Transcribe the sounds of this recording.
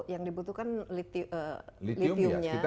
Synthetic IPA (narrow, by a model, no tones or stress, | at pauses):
jaŋdibut̪uhkanlit̪iʔəlitliiʊmɲa